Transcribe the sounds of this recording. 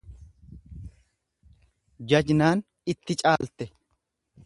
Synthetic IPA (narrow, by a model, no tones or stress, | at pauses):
d͡ʒɐd͡ʒnaːn | ɪt̪ːɪt͡ʃʼaːlt̪ɛ